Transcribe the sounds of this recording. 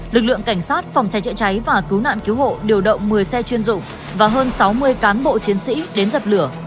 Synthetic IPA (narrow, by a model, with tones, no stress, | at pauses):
lɨ˨˩k̚lɨ̰˧˨əŋka˧˩ŋ̟saː˦˥t̚fɔ˨˩wŋ͡mt͡ɕa˨˦jt͡ɕə̰˧˨t͡ɕa˨˦jvaː˨˩kɨ˨˦wna̰ː˧˨nki˨˦who̰˧˨ɗi˨˩əwɗə̰˧˨wŋ͡mmɨ˨˩əjsɛ˧t͡ɕwi˧ənzʊ̰˧˨ŋ͡m | vaː˨˩ɦəː˧nsa˨˦wmɨ˧əjkaː˨˦nɓo̰˧˨t͡ɕi˨˦ənsḭ˧˥ɗe˨˦nzə˨˩p̚lɨ˧˩ə